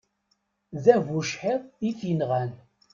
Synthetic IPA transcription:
ðævuʃħeðˤiθinʁæn

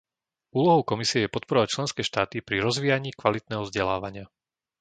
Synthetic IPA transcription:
uːlɔɦɔʊkɔmisiɛjɛpɔt̪̚pɔɾɔʋac̚t͡ʃlɛnskɛːʃt̪aːt̪ipɾiɾɔzʋiːjaɲiːkʋalit̪nɛːɦɔvzɟɛla̰ːʋaɲɪa

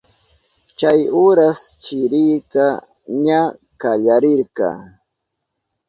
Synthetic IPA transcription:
t͡ʃajʊɾast͡ʃɪɾɪɾkɑ | ɲa | kaʎaɾɪɾɢɑ̰

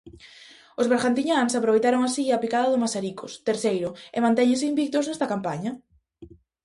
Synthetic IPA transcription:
ozβeɾɣant̪iɲaŋsapɾoβejt̪aɾoŋasiapikaðɐðʊmasaɾikʰost̪eɾθejɾʊemãnt̪ɛɲẽsɪimbik̚t̪oznɛst̪ɐkampaɲɐ

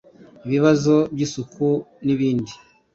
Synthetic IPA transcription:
iβiβazo̞bjiːsukʰuniβiːndi

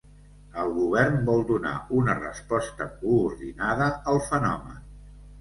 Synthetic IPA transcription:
əlˠɣuβ̞ɛrnbɔlˠd̪una̰unərə̰spɔst̪əkuːɾðinaðəəlˠfənɔ̰mə̰n

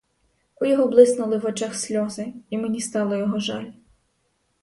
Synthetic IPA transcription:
ujɔɦɔblˠɪznʊlˠɪʋɔt͡ʃɑxsʲlʲɔzɪimenʲist̪ɑwlˠɪjɔɦɔʒɑlʲ

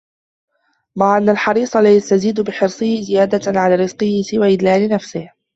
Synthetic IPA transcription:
maʕʔanːalħɑɾiːsˤɑlajast̪aziːd̪bɪħɪɾsˤɨhɪzɪjaːd̪aʕalaːɾɪzqɨhɪsɪwaːʔɪd̪laːlɪnafsɪh

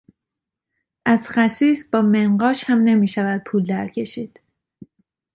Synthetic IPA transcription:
ʔæzχæsiːsbɒːme̞nɢɒːʃhæmne̞miːʃævæd̪̥̚pʰuːld̪æɾcʰe̞ʃiːd̪̥

